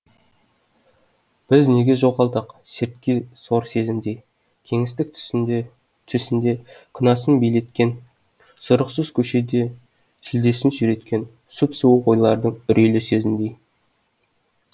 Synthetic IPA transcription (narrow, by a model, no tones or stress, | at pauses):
b̥ɪzne̞ɡʲe̞ʒo̞ʁɑlˠd̪əqseɾt̪kʲeso̞ɾse̞zɪmd̪e̞j | kʲʰe̞ŋɪst̪ɪk̪̚ | t̪ʰʏsɪnd̪e̞kʲʰɪnɑsənbejlet̪kʲen | sʊɾəqsəz̥kʲʰɵʃe̞d̪e | t̪ʰʏld̪e̞sɪnsyɾe̞t̪kʲe̞n | supsuwuqo̞jlˠɑɾd̪əɴʏɾʔelɪse̞zɪmd̪e̞j